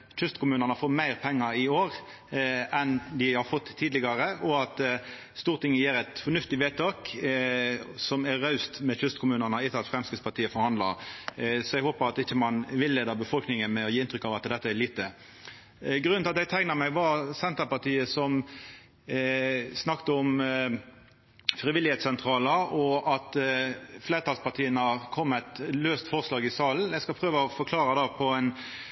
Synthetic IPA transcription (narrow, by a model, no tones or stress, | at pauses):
çʉst̪kʰʊmʉːnənəfoːɾmæɪɾpʰɛŋːəɾɪoːɾ | ɛnd̪ɪhɑɾfɔt̪ʰːiːd̪lɪɡɑɾəʔɔɑt̪ | st̪uːɾt̪ʰɪŋːəjiːɾɛt̪fɔɾnʉft̪ɪʋeːt̪ʰɑːk | sɔmæɾɑʉst̪mɛçʉst̪kʰʊmʉːnənəɪt̪ːəɑt̪fɾɛmskəspɑt̪ʰiːəfɔɾhɑnd̪lɑ̰ɾsɔɛɡɦoːpəɾɑt̪ɪçːəmɑnʋɪlːeːd̪ɑbəfɔlknɪŋənmɛɔjiːɪnt̪ɾʏkːɑʋɑt̪d̪ɛt̪ːəɛɭiːt̪ə | ɡɾʉnɑt̪ɛɡ̚t̪ʰæɪnəmæɪʋɑɾsɛnt̪əpɑt̪ʰiːəsɔm | snɑkt̪əʊm | fʁɪʋɪlɪheːt̪sɛnt̪ʰʁɑːləɔʔɑt̪fleːɾət̪ʰɑlspɑt̪ʰiːənəhɑʁkʰɔmːæt̪løːst̪fɔʁslɑːɡɪsɑːln̩ɛɪɡskɑpʰʁøːʋəɔfɔkʰlɑːɾəd̪ɑːpʰɔɛn